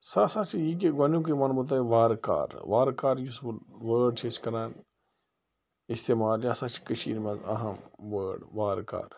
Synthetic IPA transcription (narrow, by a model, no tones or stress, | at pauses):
sasat͡ʃʰijik̬eɡɐnjũk̬imaːnbut̪̬aiʋaːɾka̰ːɾʋaːɾkaːɾjusʋəːɖt͡ʃʰeːt͡ʃkɐɾaːn | ist̪eːmaːljasaːt͡ʃʰi̥kəʃʰḭːɾmẽzɐ̰ɦɐmʋəːɖʋaːɾka̰ːɾ